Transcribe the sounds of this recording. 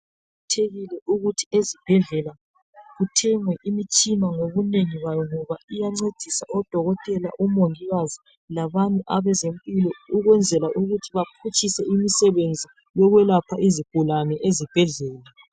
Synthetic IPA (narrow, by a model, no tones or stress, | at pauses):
utʰeɣilɛʔuɣutʰi̥ezib̥ʱɛɮɛla | ɣutʰɛŋwɛʔimit͡ʃʼinaŋoβuneŋiɣajɔŋɔβaijaŋ͡ǀed̥ʱisaʔɔd̥ʱɔɣɔtʼɛla̰ʔumoŋiɣazi | laβanʼuʔaβɛzempʼilɔuɣwɛnd͡zʱɛlaʔuɣutʰiβapʰut͡ʃʼisɛimisɛβend͡zʱi | jɔɣwɛlapʰaʔiziɡ̥ʱulanɛʔezib̥ʱɛɮɛːla